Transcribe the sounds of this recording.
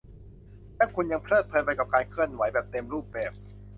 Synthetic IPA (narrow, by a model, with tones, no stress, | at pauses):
lɛː˦˥˩wkʰu˧nja˧ŋpʰɾɤː˥˩t̪̚pʰɤː˧npa˧jka˨˩p̚kaː˧jkʰɯ˥˩ənwa˩˦jbɛː˨˩p̚t̪eː˧mɾuː˥˩p̚bɛː˨˩p̚